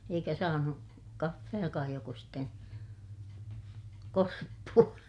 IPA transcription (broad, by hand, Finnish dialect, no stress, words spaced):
eikæ sɑːnu kɑfːejɑkɑːj joko sitːen korpːuɑ